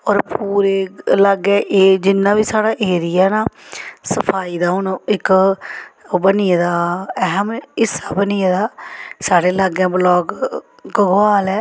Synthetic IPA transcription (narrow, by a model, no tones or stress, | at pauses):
ɔːɾpʰuːɾeːləɡɛ̃ːʔeːd͡ʒɪnːãːʋiːsaːɽaːʔeːɾɪjɛːnaːsəpʰaːiːd̪aːɦʊnɪk | bənɪjed̪aːɛɦəmɪsaːbənɪjaːd̪aːsaːɽeːləɡɛ̃ːbəlɔːɡ | ɡəɡaːlɛː